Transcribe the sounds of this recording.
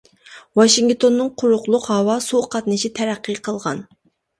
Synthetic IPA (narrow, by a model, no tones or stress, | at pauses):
wɑʃiŋɡt̪ʰonːɨŋqʰʊɾʊqlˠʊqɦɑwɑsuqʰɑt̪nɨʃit̪ʰɛɾæqːɨqʰəlˠʁɑ̰n